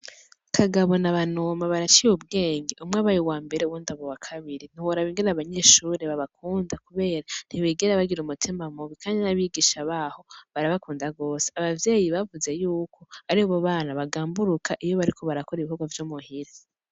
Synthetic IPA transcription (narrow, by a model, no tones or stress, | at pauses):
kʰaɡaβo̞naβanomaβaɾat͡ʃijub̚ɡe̞ːŋɡe̞ʔumŋaβajiwaːmbe̞ɾeuwundaβowakʰaβiɾin̥iwoɾaβiːŋɡeɾaβaɲe̞ːʃuːɾe̞βaβakʰuːndakuβe̞ːɾan̥hiwiːɡeɾaβaɡiɾumutʰimamuβikʰaːɲanaβiɡiːʃaβaho̞βaɾaβakuːndaɡo̞ːseaβavje̞ːjiβavuze̞juːkʰo̞aɾihoβaβaːnaβaɡaːmbuɾukʰaʔijo̞βaɾikʰo̞βaɾako̞ɾiβihuɡwavjomuhiɾe